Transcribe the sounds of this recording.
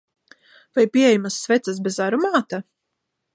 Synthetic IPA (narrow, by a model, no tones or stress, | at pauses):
vajpʲiɛɛjmasːvɛt̪sasbɛzaɾumaːt̪a